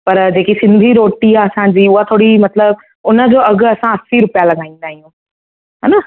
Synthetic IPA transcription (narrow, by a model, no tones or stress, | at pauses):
pɐɾd͡ʑeːkisɪ̃nd̪ʱiɾoːʈiaɐsãɲd͡ʑiːʊɦat̪ʰoːɽimɐt̪ləb | ʊnə̆d͡ʑoːɐɡ̆ɐsãɐsiɾʊpijalɐɡʱaːĩːn̆d̪aːɦijũ | ɦɛna